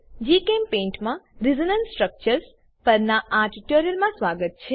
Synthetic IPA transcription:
d͡ʒikempẽɳʈmãɾizənənsʈɾək̚t͡ʃəɾs | pəɾnaʔaʈiʈoɾijəɾmãsʋaɡət̪̚t͡ʃʰe

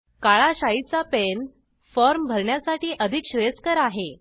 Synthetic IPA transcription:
kaɭaɕait͡sapen | fɔɾmbʱəɾɳjasaʈiːʔəd̪ʱikɕɾeskəɾaɦe

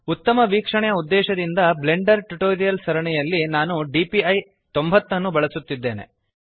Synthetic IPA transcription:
ut̪ːɐmɐʋiːkʂɐɳɛjɐud̪ːɛːʃɐd̪ind̪ɐble̞ɳɖɐɾʈuʈoːɾijɐlsɐɾɐɳɛjɐlːinaːnuɖiːpiɐj | t̪o̞mbʱɐt̪ːɐnːubɐɭɐsut̪ːid̪ːe̞ːne̞̰

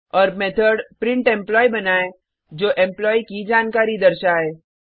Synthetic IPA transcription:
ɔːɾmeːt̪ʰəɖpɾɪ̃ɳʈɛ̃mplɔːibɐnaːẽ | d͡ʒoːʔɛ̃mplɔːikid͡ʒaːnkaːɾid̪ɐɾʃaɦɛː

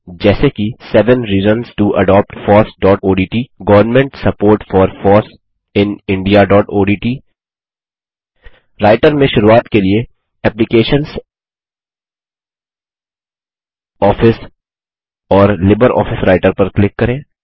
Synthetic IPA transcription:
d͡ʒɛːsekisɛːʋə̃nɾiːzənsʈuʔɐ̰ɖɔːp̚ʈfɔːɾsɖɔːʈoːɖiːʈiːɡɐʋəɾnmɛ̃ɳʈsɐpoːɾʈfɔːɾfɔːɾs | ɪ̃nɪ̃ɳɖijaɖɔːʈoːɖiːʈiː | ɾaːɪʈəɾmẽʃʊɾuaːt̪kelie | ɛːplɪkeːʃə̃nz | ɔːfɪs | ɔːɾlɪbəɾʔɔ̰ːfɪsɾaːɪʈəɾpɐɾklɪkːɐɾẽː

